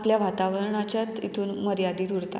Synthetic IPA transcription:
pljaʋat̪aʋəɾɳat͡ɕjat̪ḭt̪ʰuːnməɾjad̪iːt̪uɽt̪a̰

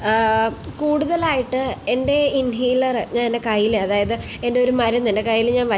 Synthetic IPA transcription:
kuːɽuðɐlaːjiʈːɨe̞nde̞inijilɐrɲaːnendekɐjːileɐðaːjɐðɨ | e̞nde̞o̞ɾumɐɾɐnːende̞kɐjːilɲaːnʋɐ

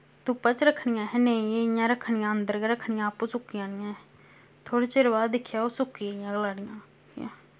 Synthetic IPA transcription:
t̪ʊpãːt͡ʃɾəkʰɳɪjãːɦɛːneĩejãːɾəkʰːɳɪjãːənd̪əɾɡeɾəkʰːɳɪjãːpuːsʊkːijãːnɪjãː | t̪ʰoːɽeːt͡ʃɪɾʋaːd̪ɪkʰːjaːoːsʊkːiɪjãːɡlaːɽɪjãː | ã̰ː

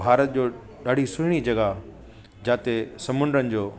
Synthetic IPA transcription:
aːɾət̪̚d͡ʑoː | ɗaːɽ̤ʱisʊɪɽ̃id͡ʑɐɡa | d͡ʑaːt̪esɐmʊ̃nd̪ɾənɪ̆d͡ʑoː

